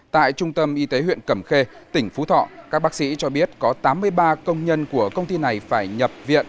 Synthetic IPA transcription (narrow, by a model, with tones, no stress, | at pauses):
t̪a̰ː˧˨jt͡ɕʊ˧ŋ͡mt̪ə˧mʔi˨˧t̪e˨˦ɦwḭ˧˨ənkə˧˩mxe˧t̪ï˧˩ŋ̟fu˨˦t̪ʰɔ̰˧˨kkaː˦˥k̚ɓaː˦˥k̚sḭ˧˥t͡ɕɔ˧ɓi˦˥ət̚kɔ˨˦t̪aː˨˦mːɨ˧əjɓaː˧kə˧wŋ͡mɲə˧nku˧˩əkə˧wŋ͡mt̪i˧na˨˩jfaː˧˩jɲə˨˩p̚vḭ˧˨ən